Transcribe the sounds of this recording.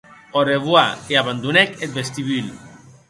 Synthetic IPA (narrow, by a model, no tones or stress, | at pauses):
oɾeβwaeaβand̪unɛket̪̚best̪iβyl